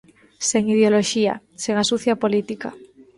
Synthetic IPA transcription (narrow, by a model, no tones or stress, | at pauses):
seŋið̞eoloʃia̰ | seŋasuθjapolit̪ika̰